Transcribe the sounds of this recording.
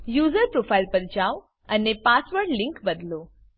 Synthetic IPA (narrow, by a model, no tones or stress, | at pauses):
juzəɾpɾofʰailpəɾd͡ʒaʋ | ənepasʋəɾɖlɪ̃ŋkbəd̪lo